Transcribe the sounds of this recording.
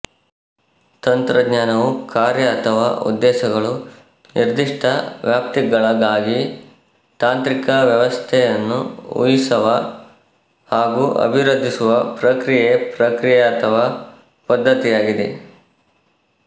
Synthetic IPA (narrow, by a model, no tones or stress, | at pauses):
t̪ɐnt̪ɾɐɡɲaːnɐʋukaːɾjɐːt̪ʰɐʋa̰ːṵd̪ːɛːʃɐɡɐɭu | nʔiɾd̪iʂʈʰɐʋjaːp̚t̪iɡɐɭɐɡaːɡi | t̪aːnt̪ɾikɐʋjɐʋɐst̪ʰɛjɐnːṵṵjisɐʋɐ | haːɡuːʔɐ̰bʱiɾɐd̪ʱːisuʋɐpɾɐkɾijepɾɐkɾijeɐt̪ʰɐʋaː | pɐd̪ːɐt̪ijaːɡid̪ḛ